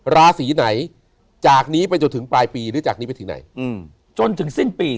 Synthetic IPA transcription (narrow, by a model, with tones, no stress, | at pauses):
ɾaː˧siː˩˦na˩˦j | t͡ɕaː˨˩k̚niː˦˥pa˧jt͡ɕo˧nt̪ʰɯ˩˦ŋplaː˧jpiː˧ɾɯː˩˦t͡ɕaː˨˩k̚ni˦˥a˧jt̪ɯ˩˦na̰˩˦jʔɯː˧˩m | t͡ɕo˧nt̪ʰɯ˨˩˦ŋsi˥˩npiː˧